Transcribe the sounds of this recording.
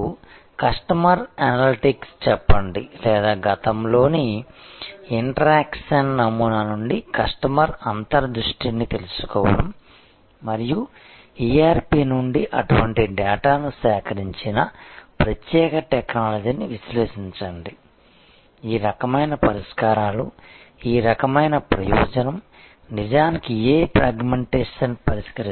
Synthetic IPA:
kɐʂʈɐmɐɾɐnɐliʈikst͡ʃɛpːɐɳɖilɛːd̪aːɡɐt̪ɐmlo̞ːni | iɳʈɐɾaːkʂɐnːɐmːunaːnuɳɖikɐʂʈɐmɐɾɐnt̪ɐɾɐd̪ɾuʂʈinit̪e̞lusu̥kɔːʋɐɽɐmː | ɐɾiju | iːaːɾpiːnuɳɖiʔɐʈuʋɐɳʈiɖɛːʈaːnusɛːkʰɐɾiɲt͡ʃinɐpɾɐt̪jɛːkɐʈeknaːlɐd͡ʒiːniʋisleːʂiɲt͡ʃɐɳɖi | iːɾɐkɐmɐjnɐpɐɾiʂkaːɾaːluiːɾɐkɐmɐjnɐpɾɐjɔ̰ːd͡ʒɐnɐm | nid͡ʒaːnikieːpɾaːɡmeɳʈeːʂɐnpɐɾiʂkɐɾ

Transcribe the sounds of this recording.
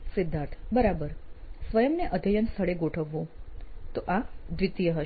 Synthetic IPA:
sɪd̪ʱːãt̪ʰbəɾabəɾsʋəjəmneʔəd̪ʱəjənst̪ʰəɽeɡoʈʰəʋːõt̪oʔad̪ʋɪt̪ijəɦə

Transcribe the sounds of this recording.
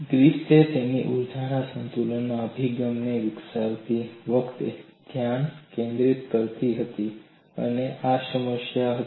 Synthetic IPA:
ɡɾipset̪eniʔuɾd͡ʒʱaɾasənt̪ulənːoəbʱiɡəmneʋiksaɾt̪iʋəkt̪ḛd̪ʱjaɳkẽnd̪ɾit̪kəɾt̪iɦət̪i | ə̰neʔasəməʃjaɦə

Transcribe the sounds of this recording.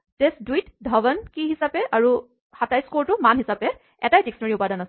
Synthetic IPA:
tesdwitdʱɔbənkiɦisapɛʔaɹu | hatajskoɹtʊmanɦisapɛ | ɛ̰tajteksɔnɔɹiʊpadanas

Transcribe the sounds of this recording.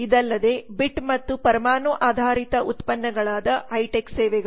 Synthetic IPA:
id̪ɐlːɐd̪e̞ːbiʈmɐt̪ːupɐɾɐmaːnuʔaːd̪ʱaːɾit̪ɐʔut̪pɐnːɐɡɐɭaːd̪ɐɐjʈeksɛːʋɛɡɐ

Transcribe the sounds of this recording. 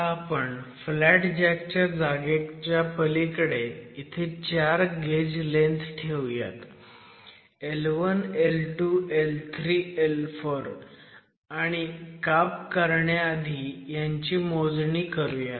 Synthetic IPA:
apəɳflæʈd͡ʑakt͡ɕad͡zaɡekt͡ɕjapəlikɽeit̪ʰet͡ɕaɾɡed͡ʑlẽnt̪ʈʰeʋja̰t̪ | elʋənelʈuelt̪ʰɾiːelfoɾ | aɽ̃ikap̚kəɾɳjaːd̪ʱiːjaɲt͡ɕimod͡zɳiːkəɾujat̪

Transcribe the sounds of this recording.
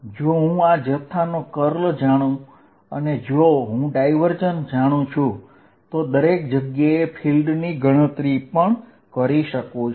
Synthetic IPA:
d͡ʒoɦũad͡ʒət̪ʰːanokəɾld͡ʒaɽ̃ũ | ə̰ned͡ʒoɦũɖaiʋəɾd͡ʒənd͡ʒaɽ̃ũt͡ʃʰũ | t̪od̪əɾek̚d͡ʒəɡjaepʰilɖniɡʱəɽ̃ət̪ɾipəɳ | kəɾiʃəkũt͡ʃ

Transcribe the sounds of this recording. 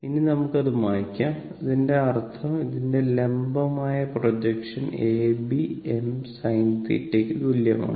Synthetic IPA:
ininɐmukːɐðumaːkʲːaːm | iðinde̞ɐrt̪ʰɐmiðindele̞mbɐmaːjɐprod͡ʑɐkʂɐneːbiemsɐjnt̪ḭtːeːkːɨd̪uljɐma̰ːɳɨ

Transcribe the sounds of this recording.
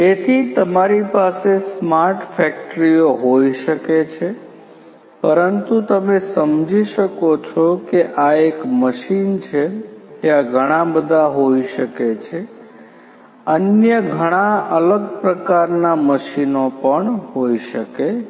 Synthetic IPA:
et̪ʰit̪əmaɾipasesmaɾʈfɛk̚ʈɾijoɦoiʃəket͡ʃʰe | pəɾənt̪ut̪əmesəmd͡ʒiʃəkot͡ʃʰokeʔaekməʃint͡ʃʰet̪eaɡʱəɽ̃ãbəd̪ʱaɦoiʃəket͡ʃʰe | ənjəɡʱəɽ̃aələɡ̚pɾəkaɾnaməʃinopəɳɦoiʃəke

